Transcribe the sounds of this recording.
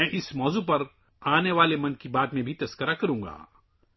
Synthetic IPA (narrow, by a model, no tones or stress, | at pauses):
ɛ̃ːʔɪsmɔːzupɐɾ | aːneʋaːlemɐ̃nkibaːt̪mẽbʱit̪ɐskəɾakɐɾũːŋɡa̰ː